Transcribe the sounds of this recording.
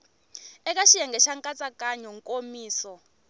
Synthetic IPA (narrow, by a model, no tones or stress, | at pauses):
ɛk̬ʼaʃijaŋɡɛʃaŋkʼat͡sʼakʼaɲɔŋkʼomiːsɔ